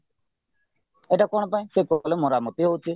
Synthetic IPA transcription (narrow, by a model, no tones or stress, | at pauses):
eʈakɔɽ̃paĩsekɔlemɔɾamɔt̪iɦowt͡ʃʰi